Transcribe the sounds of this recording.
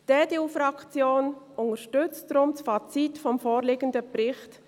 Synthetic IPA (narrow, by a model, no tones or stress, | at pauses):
d̥ɛːd̥euːfɾɑkt͡sjoːn | ʊŋəʃtʏt͡stdɾʊmt͡sfat͡sitfɔmfoːɾlɪɡəndəpɾɪχt